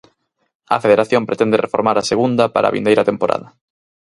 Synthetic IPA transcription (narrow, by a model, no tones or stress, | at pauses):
ɐ̰feðeɾaθjõmpɾet̪ɛnd̪erefoɾmaɾaseɣund̪ɐpaɾʔa̰βḭnd̪ejɾɐt̪empoɾʔa̰ðɐ